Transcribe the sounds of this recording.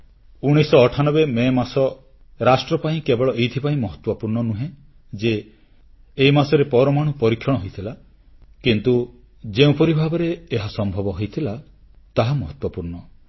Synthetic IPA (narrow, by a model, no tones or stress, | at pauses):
uɽ̃isɔːʈʰanɔbememasɔ | ɾasʈɾɔpaĩkebeɭɔʔejt̪ʰipaĩmɔɦɔt̪wɔpuɾɳɔnũɦẽ | d͡ʒeː | imasɔɾepɔɾɔmaɽ̃ũpɔɾikʰːjɔɽ̃ɦojt̪ʰila | kint̪u | d͡ʒeũpɔɾibʱabɔɾeːɦasɔmbʱɔbɔɦojt̪ʰila | t̪aɦamɔɦɔt̪wɔpuɾɳɔ